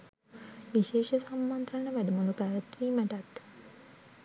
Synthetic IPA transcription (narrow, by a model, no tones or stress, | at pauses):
ʋiʃeːʃəsamːant̪ɾaɳəʋæɖəmolupæːɾət̪ʋiːmæʈæt̪ː